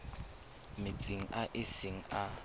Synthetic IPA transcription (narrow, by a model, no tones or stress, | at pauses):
mɪt͡sʼɪŋ̩aʔɪsɪŋ̩a